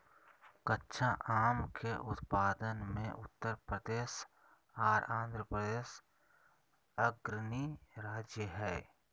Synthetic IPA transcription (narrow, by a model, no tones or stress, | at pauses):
kətːʃʰãʔaːmkʰeʔʊt̪paːd̪ənmẽʔʊt̪ːəɾpɾəd̪eːs | aːɾãːnd̪ɾəpɾəd̪eːʃ | əɡɾniɾaːd͡ʒjəɦɛː